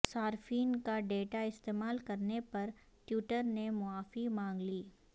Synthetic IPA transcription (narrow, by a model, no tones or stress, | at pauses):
saːɾfiːnkaɖeːʈaɪst̪eːmaːlkɐɾnepɐɾ | ʈjuːʈəɾnemʊaːfimãːŋɡliː